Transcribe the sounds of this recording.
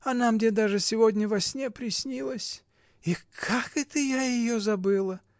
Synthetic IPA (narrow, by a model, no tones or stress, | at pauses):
ɐnamɡdʲed̪aʐɨsʲɪvodʲnʲəvɐsʲnʲepɾʲɪsʲnʲilˠəsʲ | ikʰakɛt̪əjajɪjozɐbɨlˠə